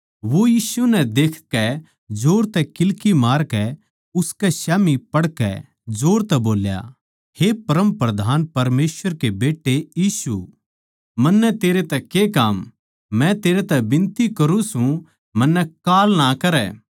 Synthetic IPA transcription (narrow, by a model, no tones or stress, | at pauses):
ʋojiːsunɛd̪eːkʰkɛ | d͡ʒoːɾt̪ɛkɪlkimaːɾkɛ | ʊskɛsjaːmipɐɽkɛ̰ | d͡ʒoːɾt̪ɛboːlja̰ | hepɐɾəmpɾɐd̪ʱaːnpɐɾmeːsʋəɾkebeːʈːejiːsṵ | mɐnːɛt̪eːɾet̪ɛkekaːmː | ɛ̃t̪eːɾet̪ɛbɪ̃nt̪ikɐɾũsũ | mɐnːɛkaːlnakɐɾɛ̰ː